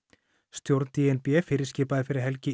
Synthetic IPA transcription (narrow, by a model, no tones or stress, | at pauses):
st̪jowɾt̪niɛnpɛfɪːɾɪscɪːpaðɪfɪɾɪðɦɛlcɪ